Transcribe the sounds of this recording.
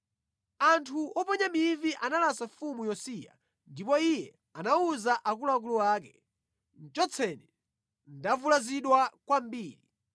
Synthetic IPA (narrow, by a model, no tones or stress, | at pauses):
antʰuʔɔpɔɲamiviʔanalasafumujɔsija̰ | ndipɔijɛ | anauzaʔak̬ulak̬uluwaːkɛ | n̩t͡ʃɔt͡sʰɛnɛ | n̩davulaziɗwakwambiːɾi